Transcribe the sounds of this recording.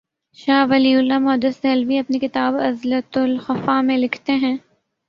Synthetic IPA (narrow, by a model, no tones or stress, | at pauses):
ʃaːʋɐliːʊlːamɔːd̪əsɛɦɛlʋiɐpnikɪt̪aːbɐzlət̪ʊlxɐfamẽlɪkʰt̪eɦɛ̃ː